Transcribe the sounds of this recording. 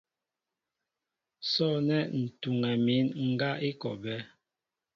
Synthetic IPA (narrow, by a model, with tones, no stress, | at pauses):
sɔ˦˨nɛ˦n̩˨tu˨ŋɛ˨mi˨˦nŋ̩˦ɡa˦ʔi˦kɔ˨bɛ˦